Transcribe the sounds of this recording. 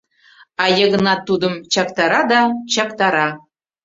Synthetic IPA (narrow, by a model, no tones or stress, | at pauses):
ɑjɤ̆ɣɤ̆nɑt̪ːud̪ɤ̆mt͡ɕɑkt̪ɑɾɑd̪ɑt͡ɕɑkt̪ɑɾɑ